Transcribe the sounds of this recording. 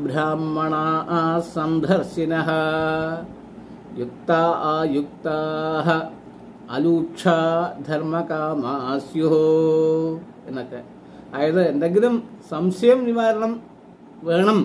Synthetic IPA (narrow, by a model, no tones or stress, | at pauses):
bɾaːmːɐɳaːʔɐsɐnd̪ʱɐɾʃinɐɦɐ̆ | juk̚t̪aːɐjuk̚t̪aːɦɐ̆ | ɐ̰luːʂʰaːd̪ʱɐɾmɐkaːmasjoɦo | enːɐt̪ːe | aːjɐt̪ɐend̪ɐɡit̪ɐmsɐmsɐjɐmniʋaːɾɐɳɐm | ʋɐːɳɐm